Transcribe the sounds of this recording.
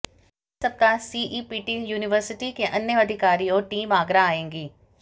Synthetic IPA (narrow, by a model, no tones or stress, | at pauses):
sɐb̚t̪asiːʔiːpiːʈijuːnɪʋəɾsɪʈikeʔɐnːjəɐd̪ʱɪkaːɾioːʈiːmaːɡɾaaːẽːŋɡiː